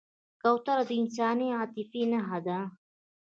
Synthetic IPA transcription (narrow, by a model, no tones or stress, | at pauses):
kawt̪ɐɾad̪insaːniaːt̪ifinaɦad̪a